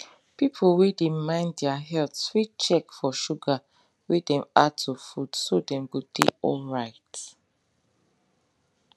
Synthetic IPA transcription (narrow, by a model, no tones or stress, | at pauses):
pipʰolwedemãɪ̃nddɛaɦɛltswit͡ʃɛkfɔʃuɡa | wedɛ̃matʰufudsodɛ̃mɡudḛɔlɹaɪt